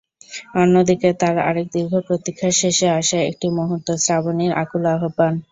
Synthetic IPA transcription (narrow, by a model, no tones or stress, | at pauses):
onːod̪iket̪aɾa̰ɾek̚d̪iɾɡʱopɾot̪ikʰːaʃeʃeaʃaeḛk̚ʈimoɦut̪ːosɾaboniɾa̰kulaɦoban